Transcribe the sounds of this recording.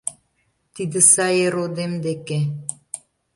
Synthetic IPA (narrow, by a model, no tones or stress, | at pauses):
t̪id̪ə̆sɑjeɾod̪emd̪eke